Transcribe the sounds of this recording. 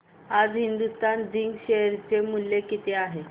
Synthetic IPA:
ad͡zɦind̪ust̪and͡ziŋɡɕeɦɾt͡semuljekit̪eaɦe

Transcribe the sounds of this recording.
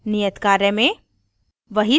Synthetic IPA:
nijət̪kaɾjəme | ʋəɦi

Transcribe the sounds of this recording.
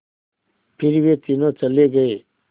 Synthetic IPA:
pʰɪɾʋeːt̪ɪnõːt͡ʃəleɡəeː

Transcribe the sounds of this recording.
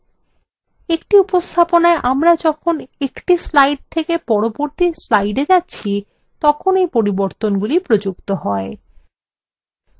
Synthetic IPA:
ekʈiupost̪ʰaponaeʔamɾad͡ʑɔkʰonekʈislajɖ̚t̪ʰekepɔɾoboɾt̪islajɖed͡ʑatːɕʰi | t̪ɔkʰonejpoɾiboɾt̪onɡulipɾod͡ʑukt̪oɦɔe

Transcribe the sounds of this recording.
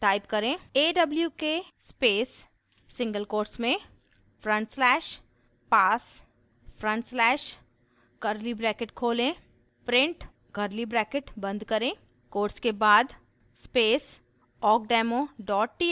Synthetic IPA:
ʈaːɪpkɐɾẽːeːɖɐbljukespeːsː | ɪ̃ŋɡəlkoːɾsmẽ | fʰɾə̃ɳʈslɛːʃ | paːs | pʰɾə̃ɳʈslɛːʃ | ɡɐɾlibɾɛːkɪʈkʰoːlẽː | pɾɪ̃ɳʈ | ɡɐɾlibɾɛːkeʈbɐ̃nd̪kɐɾẽː | koːɾʈskebaːd̪ | speːs | ɔːk̚ɖɛːmoɖɔːʈ̚ʈiː

